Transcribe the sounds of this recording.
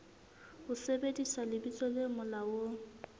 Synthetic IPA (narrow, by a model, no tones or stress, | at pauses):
hʊsebedisalɪbit͡sʼɔlemʊlawo